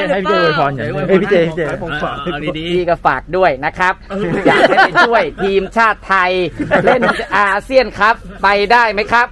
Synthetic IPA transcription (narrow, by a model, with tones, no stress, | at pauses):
pʰiː˦˩t͡ɕe˧˩woː˧jpʰɔː˧nja˨˩˧a˥˩pʰi˦t͡ɕeː˧pʰi˦t͡ɕeː˧o˧faː˨˩iː˥˩kɔː˥˩fa̰ː˨˩k̚du˥˩əjna˦˥kʰɾa˦˥p̚jaː˨˩k̚a˧t͡ɕʰu˥˩əjt̪ʰiː˧mt͡ɕʰaː˥˩t̪ʰːa˧jle˥˩n˩ʔaː˧si˥˩ənkʰɾa˦˥pːa˧jdaː˥˩jma˦˥jkʰɾa˦˥p̚